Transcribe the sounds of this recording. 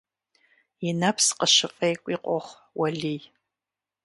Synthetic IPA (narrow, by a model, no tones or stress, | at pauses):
ɪnɐpʰsqəʃɨfʼejkʷʼiqʷʼɔχʷ | wɐɮij